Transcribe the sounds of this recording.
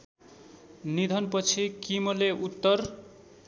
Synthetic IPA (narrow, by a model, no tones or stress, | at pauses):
nid̪ʱʌnpʌt͡sʰikimoleʔut̪ːʌr